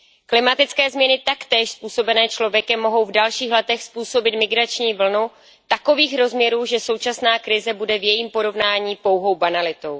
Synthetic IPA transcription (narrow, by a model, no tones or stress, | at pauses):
klɪmat̪ɪt͡skɛːzmɲɛnɪt̪akt̪ɛːʃspuːso̞bɛnɛːt͡ʃlovjɛkɛmːo̞ɦo̞wvdalʃiːxlɛt̪ɛxspuːso̞bɪt̪mɪɡɾat͡ʃɲiːvl̩nu | t̪ako̞viːxɾo̞zmɲɛɾuːʒɛso̞wt͡ʃasnaːkɾɪzɛbudɛvjɛjiːmpo̞ɾo̞vnaːɲiːpo̞wɦo̞wbanalɪt̪o̞w